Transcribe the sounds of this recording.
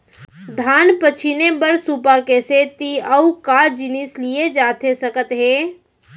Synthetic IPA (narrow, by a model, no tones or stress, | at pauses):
d̪ʱaːnpət͡ʃʰinebəɾsupakeset̪iəukad͡ʒinislijed͡ʒat̪ʰesəkət̪ɦeː